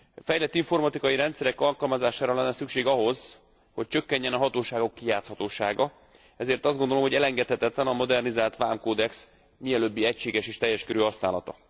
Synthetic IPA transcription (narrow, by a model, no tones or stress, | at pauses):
fɛjlɛt̪ːiɱfo̞rmɒt̪ikɒjiɾɛnt̪sɛɾɛkɒlkɒlmɒzaːʃaːɾɒlɛnːɛsykʃeːɡɒɦo̞z | ho̞c̚t͡ʃø̞kːɛɲːɛnɒɦɒt̪oːʃaːɡo̞kːijaːt̪shɒt̪oːʃaːɡɒ | ɛzeːrt̪ɒzdɡo̞nd̪olo̞mhoɟɛlɛŋɡɛt̪hɛt̪ɛt̪lɛnɒmo̞d̪ɛrnizaːlt̪ʋaːmkoːd̪ɛks | miɛløbːiɛcʃeːɡɛʃeːʃt̪ɛjːɛʃkøɾøːɦɒsnaːlɒt̪ɒ